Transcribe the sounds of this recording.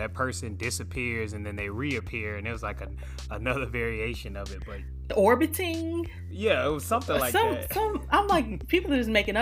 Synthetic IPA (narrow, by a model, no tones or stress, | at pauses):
ðɨt̚pʰɜ˞sɨ̃ndɪsɨpʰɪɹzɨ̃nðɨ̃nðeɪɹiɨpʰɪɹɨ̃nɨt̚wʌzlaɪkɨ | ənʌðə˞vɛɹieɪʃɨ̃nʌvɨt̚b̥ʌt̚ | ðiɔɹbɨtɪ̃ŋ | jæɪwʌz̥sʌ̃mθɪ̃ŋlaɪsʌ̃tsʌ̃mãɪ̃mlaɪkpʰipl̩ˠðɨt̚dʌzn̩meɪkɨ̃ŋʌ